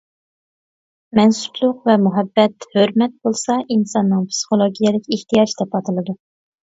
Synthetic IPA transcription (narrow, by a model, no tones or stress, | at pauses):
mɛnsu̥blˠʊqvɛmuɦɛbːɛt̪høɾmɛt̪̚bolˠsɑʔinsɑnːɨŋpʰsi̥χolˠoɡʲijɛlɪkʲeht̪ijɑd͡ʒd̪ɛpɑt̪ʰɨlˠɨd̪u